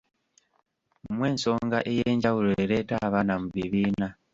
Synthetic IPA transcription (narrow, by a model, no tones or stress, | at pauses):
umwe̞ːnso̞ːŋɡa̰ʔejeːɲɟawuloeɾe̞taβanamuβiβiːna